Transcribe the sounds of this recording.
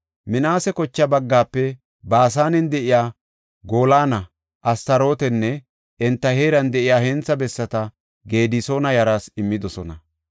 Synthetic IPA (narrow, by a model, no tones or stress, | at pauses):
mɪnaːsɛkɔt͡ʃːɐbɐɡːaːpːɛ | baːs̬aːnɛnd̪ɛʔɪjaː | ɡo̞ːlaːnɐ | ʔɐst̪ɐɾo̞ːt̪ɛnːɛ | ʔɛnt̪ːɐhe̞ːɾɐnd̪ɛʔɪjaːhɛnt͡sːɐbɛsːɐt̪ɐ | ɡe̞ːd̪iso̞ːnɐjɐɾaːsɪmːɪd̪ɔsɔnɐ